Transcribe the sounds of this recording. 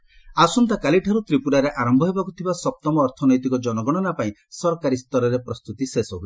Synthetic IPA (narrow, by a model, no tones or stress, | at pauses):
asunt̪akaliʈʰaɾut̪ɾipuɽaɾeʔaɾɔmbʱɔɦebakut̪ʰibasɔp̚t̪ɔmɔːɾt̪ʰɔnɔjt̪ikɔd͡ʒɔnɔɡɔɽ̃ɔnapaĩ | sɔɾɔkaɾist̪ɔɾɔɾepɾɔst̪ut̪isesɔɦui